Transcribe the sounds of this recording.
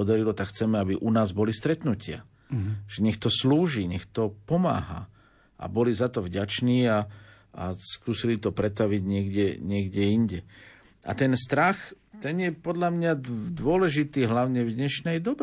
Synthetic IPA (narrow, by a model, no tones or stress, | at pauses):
ɔd̪aɾilɔt̪akxt͡sɛmɛabiʔunaːzbɔlist̪ɾɛt̪nucɪa̰ | ʒ̥ɛɲɛxt̪ɔsluːʒiːɲɛxt̪ɔpɔma̰ːɦa̰ | ʔa̰bɔlizat̪ɔvɟat͡ʃniːa | a̰skuːsilit̪ɔpɾɛt̪aʋiɟɲɪɛɡɟɛɲɪɛɡɟɛinɟɛ | a̰t̪ɛnst̪ɾax | t̪ɛnjɛpɔd̪lamɲad̪ʊɔlɛʒit̪iːɦlaʊɲɛvd̪ɲɛʃnɛjd̪ɔbɛ